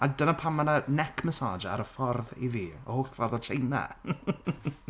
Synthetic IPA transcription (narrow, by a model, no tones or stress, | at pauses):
adənapʰamːananɛkʰmɛsaːd͡ʒa̰ɾəfɔrðḭviːɔ̰hoːɬfɔrðɔtʰejna̰